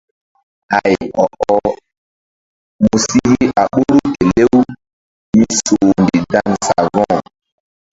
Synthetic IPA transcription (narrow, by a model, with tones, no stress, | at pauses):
a˨jʔɔ˨ʔɔ˦ | mu˨si˦ɣi˦ʔa˨ɓo˦ɾu˦ke˨le˦w | mi˦so˨ndi˨dã˦ŋsa̰˨vɔ̃˦˨